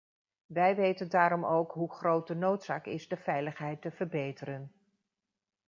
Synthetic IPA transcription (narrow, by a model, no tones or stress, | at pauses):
ʋɛjʋejtəndaːɾɔmowkɦuχrowt̚dənowtsaːkɪzdəvɛjləχɦɛjtəvəɹbejtəɾən